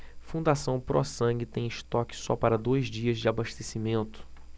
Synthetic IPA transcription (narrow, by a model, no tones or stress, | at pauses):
fũnd̪asɐ̃w̃pɾɔ̰sɐ̃ŋɡɪt̪ẽj̃ɪʃt̪ɔkɪ̥sɔpaɾɐd̪ojzd͡ʒiɐzd͡ʒɪabaʃt̪esimẽnt̪ʊ̥